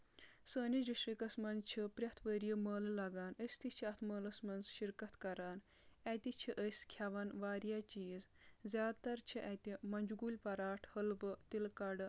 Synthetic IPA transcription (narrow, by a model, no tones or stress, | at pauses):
səːnid͡ʒiʃɾikɐsmɐnzt͡ʃʰipɾʲjɐt̪ʰʋəɾjəməːllaɡaːnəsʲt̪it͡ʃʰiɐt̪ʰməːlɐsmɐnsʃiɾkɐt̪kɐɾan | at̪it͡ʃʰiʔəsʲkʲʰaʋanʋaːɾjat͡ʃiːzzʲaːt̪ɐɾt͡ʃʰiʔɐt̪imɐnd͡ʒuɡulʲpɐɾaːʈʰhəlʋət̪ilkaɽ